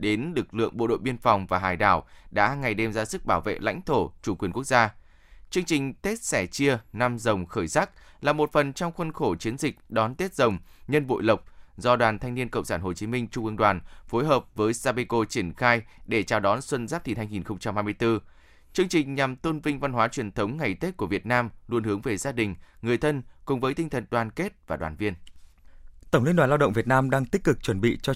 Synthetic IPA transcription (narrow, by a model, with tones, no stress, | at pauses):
ɗe˨˦nlɨ˨˩k̚lɨ̰˧˨əŋɓo̰˧˨ɗo̰˧˨jɓi˧ənfa˨˩wŋ͡mvaː˨˩ɦaː˨˩jɗa̰ː˧˩wɗa̰ː˧˥ŋa˨˩jɗe˧mzaː˧˦sɨ˦˥k̚ɓaː˧˩wvḛ˧˨la̰˧˥jŋ̟t̪ʰo˧˩t͡ɕu˧˩kwi˨˩ənku˦˥ək̚zaː˧ | t͡ɕɨ˧əŋt͡ɕï˨˩ŋ̟t̪e˦˥t̚sɛ˧˩t͡ɕi˧ənaː˧mzə˨˩wŋ͡mxəː˧˩jsaː˦˥k̚laː˨˩mo˨˩t̚fə˨˩nt͡ɕɔ˧wŋ͡mxwə˧nxo˧˩t͡ɕi˨˦ənzï˨˩k̟̚ɗɔ˨˦nt̪e˦˥t̚zə˨˩wŋ͡mɲə˧nɓo̰˧˨jlə˨˩wk͡p̚zɔ˧ɗwaː˨˩nt̪ʰa˧ŋni˧ənkə̰˧˨wŋ͡msaː˧˩nɦo˨˩t͡ɕi˨˦mï˧ŋ̟t͡ɕʊ˧ŋ͡mʔɨ˧əŋɗwaː˨˩nfo˨˦jɦəː˨˩p̚vəː˨˦jsaː˧ɓi˧ko˧t͡ɕi˧˩ənxaː˧jɗe˧˩t͡ɕaː˨˩wɗɔ˨˦nswə˧nzaː˦˥p̚t̪ʰi˨˩nhaː˧jŋi˨˩nxə˧wŋ͡mt͡ɕa˧mha˧jmɨ˧jt̪ɨ˧ | t͡ɕɨ˧əŋt͡ɕï˨˩ŋ̟ɲa˨˩mt̪o˧nvï˧ŋ̟va˧nhwaː˨˦t͡ɕwi˨˩ənt̪ʰə˨˦wŋ͡mŋa˨˩jt̪e˦˥t̚ku˧˩əvi˨˩ət̚naː˧mlu˧ənhɨ˨˦əŋve˨˩zaː˧ɗï˨˩ŋ̟ŋɨ˨˩əjt̪ʰə˧nkʊ̰˨˩ŋ͡mvəː˨˦jt̪ï˧ŋ̟t̪ʰə˨˩nɗwaː˨˩nke˦˥t̚vaː˨˩ɗwaː˨˩nvi˧ən | t̪ə˧˩wŋ͡mli˧nɗwaː˨˩laː˧wɗə̰˧˨wŋ͡mvi˨˩ət̚naː˧mɗaː˧ŋt̪i˦˥k̟̚kɨ˨˩k̚t͡ɕwə˧˩nɓḭ˧˨t͡ɕɔ˧